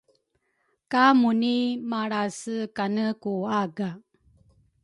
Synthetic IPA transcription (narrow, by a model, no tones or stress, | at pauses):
kamunimaɽasɨkanəkuaɡa